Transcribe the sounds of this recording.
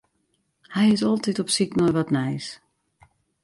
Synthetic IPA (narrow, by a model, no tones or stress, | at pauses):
hɛjɪtɔlˠtitɔpsiknɔjʋɔtnɛjs